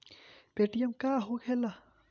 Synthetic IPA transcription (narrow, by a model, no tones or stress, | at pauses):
peʈijemkaɦokʰɛla